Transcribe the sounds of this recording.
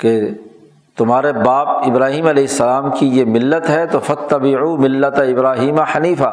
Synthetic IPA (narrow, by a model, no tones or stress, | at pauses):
ke | t̪ʊmɦaːɾebaːp̚ɪbɾaːɦiːmɐleːɪsːɐlaːmkijemɪlːət̪ɦɛt̪ofɐt̪ːɐbɪʕuːmɪlːɐt̪ɪbɾaːɦiːmaħɐniːfa